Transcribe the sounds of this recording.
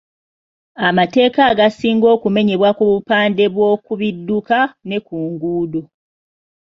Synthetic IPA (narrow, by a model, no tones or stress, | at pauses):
amate̞ːkaːɡasiːŋɡo̞ːkume̞ɲe̞βwakuβupaːnde̞βwo̞ːkuβidːukane̞kuːŋɡuːdo